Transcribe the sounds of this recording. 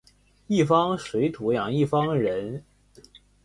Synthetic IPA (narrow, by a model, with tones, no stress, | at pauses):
i˥˩fɑ˥ŋʂwe˧˥ɪt̪ʰu˧˥jɑ˨˩ŋi˥˩fɑ˥ŋɻə˧˥n